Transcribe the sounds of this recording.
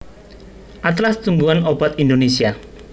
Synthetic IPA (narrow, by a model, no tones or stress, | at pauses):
ʔat̪̬last̪umbuanob̥at̪ind̪onesia